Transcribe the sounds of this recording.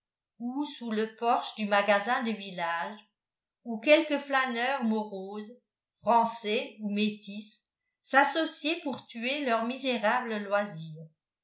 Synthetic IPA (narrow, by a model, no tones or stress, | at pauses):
usuləpɔʁʃd̪ymaɡazɛ̃d̪əvilaʒ | ukɛlkəflanœʁmɔʁoːz | fχɑ̃sɛumet̪isː | asɔsjepuʁt̪yelœʁmizeʁabləlwaziːʁ